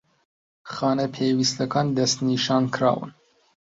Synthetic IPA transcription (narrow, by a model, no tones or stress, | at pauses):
xɑːnɐpʰeːwist̪ɐkʰɑːnd̪ɐst̪niʃɑːnkʰɾɑ̰ːwɨ̰n